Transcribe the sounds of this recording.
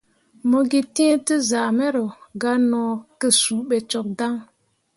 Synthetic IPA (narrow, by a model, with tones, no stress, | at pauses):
mo˦ɡi˦tĩ˦e˦ti˦za˨me˦ɾo˨ɡa˦nɔː˨˦kə˦su˨ɓe˨t͡ʃɔ˨k̚da˦ŋ